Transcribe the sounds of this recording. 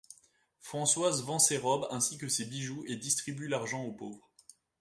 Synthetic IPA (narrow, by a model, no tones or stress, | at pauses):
fχɑ̃swazvɑ̃seʁɔbɛ̃sikʲəsebiʒued̪ist̪χibylaʁʒɑ̃opovʁ